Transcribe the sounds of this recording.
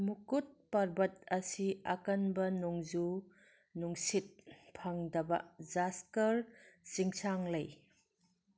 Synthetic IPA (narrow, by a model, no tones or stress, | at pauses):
mukut̚pɐɾbɐtɐsiɐ̰kɐnbɐnuŋzu | nuŋsit̚pʰɐŋdɐbɐ̰zaskɐɾsiŋsaŋlɐj